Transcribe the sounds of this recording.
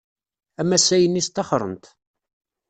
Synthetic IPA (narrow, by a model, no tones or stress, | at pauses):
æmæsæjənːist̪ːɑχɾˤə̰nt̪